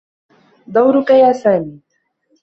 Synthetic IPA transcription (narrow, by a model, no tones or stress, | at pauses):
d̪ˤawɾʊkajaːsaːniː